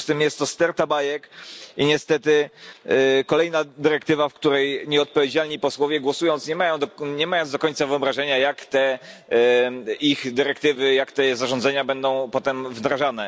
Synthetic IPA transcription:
st̪ɘmjɛst̪ːɔst̪ɛɾt̪abajɛkiɲɛst̪ɛt̪ɘ | kɔlɛjnad̪ɘɾɛkt̪ɘvafkt̪uɾɛjɲɛɔt̪̚pɔvʲjed͡ʑalɲipɔswɔvʲjɛɡwɔsujɔnt̪sɲɛmajɔ̃wd̪ɲɛmajɔnzd̪ɔkɔɲt̪savɨɔbɾaʐɛɲajakt̪ɛ | ixd̪ɘɾɛkt̪ɘvɘjakt̪ɛzaʐɔnd̪zɛɲabɛnd̪ɔ̃w̃pɔt̪ɛmvd̪ɾaʐanɛ

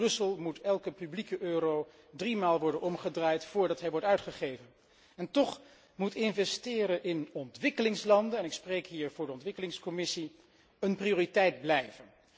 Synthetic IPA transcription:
brɵsəlˠmutʰɛlˠkəpyblikəʔøːro | drimaːlˠʋɔɹdənɔmχədraːjtfʊːɹdɑtɦɛjʋɔɹtœɥtχəχejvən | ɛntɔχ | mutɪnvɛstɪːɾəʔɪnɔntʋɪkəlɪŋslɑndənɛnɪksprejkɦiːɹvʊːɹdəɔntʋɪkəlɪŋskɔmɪsi | ənprioːritɛjd̚blɛjvən

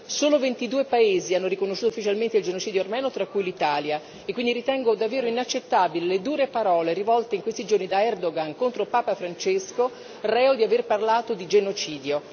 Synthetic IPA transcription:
soːlovent̪id̪uːepaeːzianːoɾikonoʃːuːt̪oufːit͡ʃalment̪eild͡ʒenot͡ʃiːd̪jormɛːnot̪ɾakːujlit̪aːlja | ekːwind̪iɾit̪ɛŋɡod̪avːeːɾoinat͡ʃːet̪ːaːbililed̪uːɾepaɾɔːleɾivɔlt̪eiŋkwest̪id͡ʒornid̪aɛrd̪oɡankont̪ɾopaːpafɾant͡ʃesko | rɛːod̪iaverparlaːt̪od̪id͡ʒenot͡ʃiːd̪jo

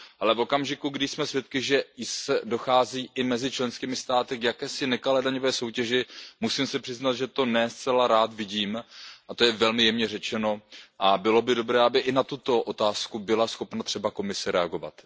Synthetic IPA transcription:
ʔalɛvo̞kamʒɪkuɡdɪsmɛsvjɛt̪̚kɪʒɛjsɛdo̞xaːziːʔɪmɛzɪt͡ʃlɛnskiːmɪst̪aːt̪ɪɡjakɛːsɪnɛkalɛdaɲo̞vɛːso̞wcɛʒɪmusiːmsɪpr̥ɪznat̪ʒɛt̪o̞nɛst͡sɛlaɾaːt̪vɪɟiːmʔat̪o̞jɛvɛlmɪjɛmɲɛr̝ɛt͡ʃɛno̞ʔabɪlo̞bɪdo̞bɾɛːabɪʔɪnat̪ut̪o̞ʔo̞t̪aːskubɪlasxo̞pnat̪r̝̥ɛbako̞mɪsɪɾɛaɡo̞va̰t̪

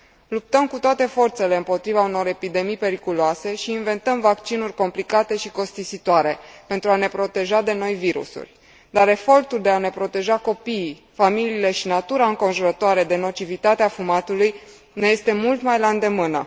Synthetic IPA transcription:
lup̚t̪əmkut̪oat̪e̞fo̞rt̪se̞le̞ɨmpo̞t̪ɾivauno̞ɾe̞pid̪e̞mijpe̞ɾikuloase̞ʃiːnve̞nt̪əmvakt͡ʃinurʲko̞mplikat̪e̞ʃiko̞st̪isit̪oaɾe̞pe̞nt̪ɾuane̞pɾo̞t̪e̞ʒad̪e̞no̞jviɾṵsṵrʲ | d̪aɾe̞fo̞rt̪uld̪e̞ane̞pɾo̞t̪e̞ʒako̞piː | familiːle̞ʃinat̪uɾaɨŋko̞nʒuɾət̪oaɾe̞d̪e̞no̞t͡ʃivit̪at̪eafumat̪uluj | ne̞je̞st̪e̞mult̪majland̪e̞mɨnə̰

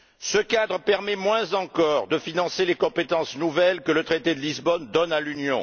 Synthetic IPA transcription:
səkad̪ʁəpɛʁmɛmwɛ̃zɑ̃kɔʁd̪əfinɑ̃selekɔ̃pet̪ɑ̃snuvɛlkələt̪χet̪ed̪əlizbɔnd̪ɔnalynjɔ̰̃

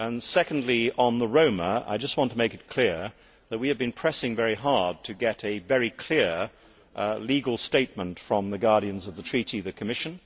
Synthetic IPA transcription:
ə̃nsɛkn̩dˡliə̃nðəɹõʊ̃məa̰ɪd͡ʒʌst̚wɑ̃ntʰəmeɪkɨt̚kʰl̥ɪɹ | ðɨt̚wiɨvbɨ̃npʰɹ̥ɛsɪ̃ŋvɛɹiɦɑɹd̚tʰɨɡɛɾɨvɛɹikʰl̥ɪɹ | liɡl̩ˠsteɪt̚mə̃ntfɹʌ̃mðɨɡɑɹɾiɨ̃nzʌvðətʰɹ̥iɾiðɨkʰɨmɪʃɨ̃n

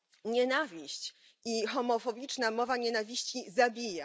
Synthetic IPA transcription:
ɲɛnavʲiɕt͡ɕ | ixɔmɔfɔbʲit͡ʂnamɔvaɲɛnavʲiɕt͡ɕizabʲija

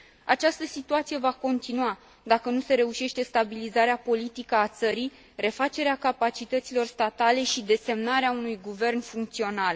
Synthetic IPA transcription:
at͡ʃast̪əsit̪uat̪sije̞vako̞nt̪inua | d̪akənuse̞ɾe̞uʃe̞ʃt̪e̞st̪abilizaɾeapo̞lit̪ikəat̪səɾij | re̞fat͡ʃe̞ɾeakapat͡ʃit̪ət̪silo̞rst̪at̪ale̞ʃid̪e̞se̞mnaɾeaunujɡuve̞rnfuŋkt̪sio̞nal

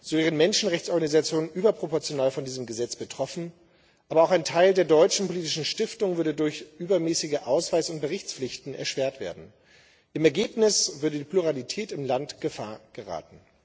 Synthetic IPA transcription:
z̥oveːʁənmɛnʃn̩ʁɛçt͡sɔɐɡanizat͡sjoːnənʔyːbɐpʁ̥opɔɐt͡sjonaːlfɔndiːzəmɡəzɛt͡sb̥ətʁ̥ɔfn̩ | ʔaːbɐaʊxaɪntʰaɪldeːɐdɔʏt͡ʃn̩poliːtɪʃn̩ʃtɪftʊŋvʏɐɾədʊɐçʔyːbɐmɛːsɪɡəʔaʊsv̥aɪsʊnt̚b̥əʁɪçt͡sflɪçtn̩ɛ̰ɐʃv̥eːɐtv̥ḛːɐdn̩ | ʔɪmɛɐɡeːpnɪsv̥ʏɐdədiːpʰluʁalitʰɛːtɪmlantɡ̥əfa̰ːɐɡ̥əʁa̰ːtn̩

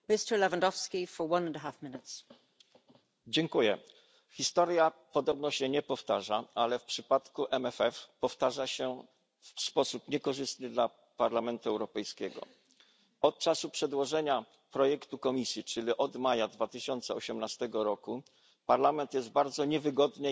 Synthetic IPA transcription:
mɪstə˞lɛvãndɔfskʲifə˞wʌ̃nə̃ndəɦafmɪnɪts | d͡ʑɛŋkujɛ̰ | xʲist̪ɔɾjapɔd̪ɔbnɔɕɛɲɛpɔft̪aʐaalɛfpʂɘpat̪kuʔɛmɛfɛfpɔft̪aʐaɕɛ | fspɔsupɲɛkɔʐɘst̪nɘd̪la | paɾlamɛnt̪uɛwɾɔpɛjskʲɛɡɔ̰ | ɔt̪̚t͡ʂasupʂɛd̪wɔʐɛɲa | pɾɔjɛkt̪ukɔmʲisʲjit͡ʂɘlʲiʔɔd̪majad̪vat̪ɘɕɔnt̪sɛɔɕɛmnast̪ɛɡɔɾɔku | paɾlamɛnt̪jɛst̪̚baɾd̪zɔɲɛvɘɡɔd̪nɘ

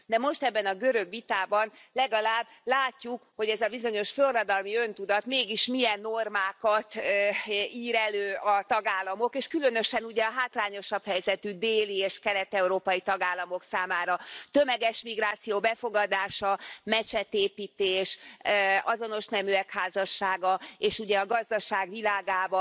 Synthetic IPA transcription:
d̪ɛmo̞ʃt̪ɛbːɛnɒɡø̞ɾøɡʋit̪aːbɒnlɛɡɒlaːbːlaːcːukho̞ɟɛzɒbizo̞ɲo̞ʃførrːɒd̪ɒlmiønt̪ud̪ɒt̪meːɡiʃmijɛnːormaːkɒt̪ | iːɾɛløːɒt̪ɒɡaːlːɒmo̞keːʃkylø̞n̪ø̞ʃɛnuɟɛɒɦaːt̪laːɲo̞ʃɒphɛjzɛt̪yd̪eːlieːʃkɛlɛt̪ɛuɾoːpɒjit̪ɒɡaːlːɒmo̞ksaːmaːɾɒt̪ømɛɡɛʃmiɡraːt̪sijoːbɛfoɡɒd̪aːʃɒmɛt͡ʃɛt̪eːpiːt̪eːʃ | ɒzono̞ʃnɛmyɛkhaːzɒʃːaːɡɒeːʃuɟɛɒɡɒzd̪ɒʃaːɡʋilaːɡaːbɒ

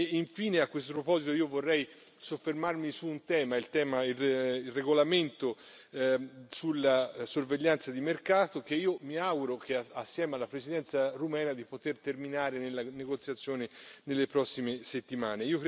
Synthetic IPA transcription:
iɱfiːneakːwest̪opɾopɔzit̪oiːovorːɛj | sofːermarmisuːnt̪ɛːmailt̪ɛːmaiilreɡolament̪o | sulːasorveʎːant̪sad̪imerkaːt̪ok̟eiːomiaɡuɾok̟eaasːjɛːmalːapɾesid̪ɛnt̪sarumɛːnad̪ipot̪ert̪erminaːɾenelːaneɡot̪sjat̪sːjoːnenelːepɾɔsːimeset̪ːimaːneiːok

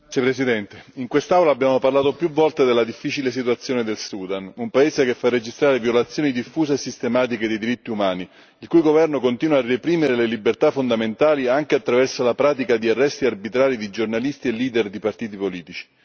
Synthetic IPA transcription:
epɾesid̪ɛnt̪eiŋkwest̪awlaːbːjaːmoparlaːt̪opjuvːɔlt̪ed̪elad̪ifːit͡ʃiles̬it̪wat̪sːjoːned̪elsuːd̪anumpaeːsekefːarːed͡ʒist̪ɾaːɾevjolat̪sːjoːnid̪ifːuːseesːist̪emaːt̪̬iked̪ejd̪iɾit̪ːiumaːni | ilkujɡovɛrnokont̪iːnwaːrːepɾiːmeɾelelibert̪afond̪ament̪aːliaŋk̟eat̪ːɾavɛrsalapɾaːt̪ikad̪iarːɛst̪iarbit̪ɾaːɾid̪id͡ʒornalist̪ielːiːd̪erd̪ipart̪iːt̪̬ipoliːt̪it͡ʃi̥

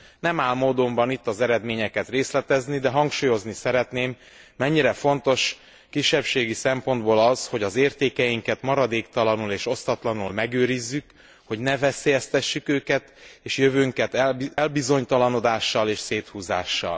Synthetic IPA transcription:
nɛmaːlmoːd̪o̞mbɒnit̪ːɒzɛɾɛd̪meːɲɛkɛt̪reːslɛt̪ɛznid̪ɛɦɒŋkʃuːjo̞znisɛɾɛt̪neːmː | ɛɲːiɾɛfo̞nt̪o̞ʃ | kiʃːɛpʃeːɡisɛmpo̞nd̪boːlɒzho̞ɟɒzeːrt̪eːkɛjiŋkɛt̪mɒɾɒd̪eːkt̪ɒlɒnuleːʃo̞st̪ɒt̪lɒnulmɛɡøːɾizːyk | ho̞ɟnɛvɛseːjɛst̪ɛʃːykøːkɛt̪eːʃjøvøːŋkɛt̪ɛlbizo̞ɲt̪ɒlɒno̞d̪aːʃːɒleːʃseːt̪huːza̰ːʃːɒ̰l

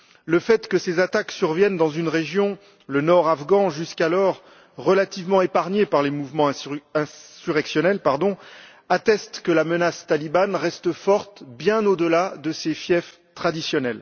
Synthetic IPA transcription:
ləfɛt̪kəsezat̪aksyʁvjɛnd̪ɑ̃zynʁeʒjɔ̃ | lənɔʁavɡɑ̃ʒyskalɔʁː | əlat̪ivmɑ̃epaʁɲepaʁlemuvmɑ̃ɛ̃syʁɛksjɔnɛlpaʁd̪ɔ̃ | at̪ɛst̪kəlamənast̪alibanʁɛst̪əfɔʁt̪bjɛ̃nod̪əlad̪əsefjɛf | t̪χad̪isjɔnɛl

